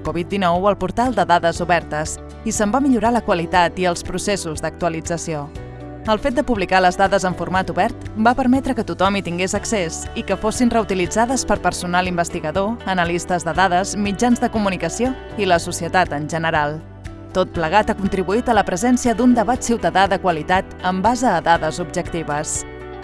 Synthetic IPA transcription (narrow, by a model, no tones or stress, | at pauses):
kɔβit̪̚d̪inɔwəlˠpuɾt̪alˠd̪əðaðəzuβɛɾt̪əs | isəmbamiʎuɾaləkwəlit̪at̪iəlˠspɾusesuzðək̚t̪uəlid͡zəsio | əlˠfet̪̚d̪əpuβlikaləzðaðəzəɱfuɾmat̪uβɛɾt̪bapəɾmɛt̪ɾəkət̪ut̪ɔmit̪iŋɡezəksezikəfosinrəut̪ilid͡zaðəspəɾpəɾsunalimbəst̪iɣəðoənəlist̪əzðəðaðəzmid͡ʒanzðəkumunikəsio | iləsusiət̪at̪ənʲʒənəɾalˠ | t̪ot̪̚pləɣ̞at̪akunt̪ɾiβuit̪ələpɾəzɛnsiəd̪und̪əβat̪siwt̪əðaðəkwəlit̪at̪əmbazəːðaðəzubʒəkt̪iβəs